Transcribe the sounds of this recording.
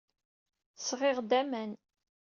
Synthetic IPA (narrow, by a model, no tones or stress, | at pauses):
sʁɪʁd̪æmæn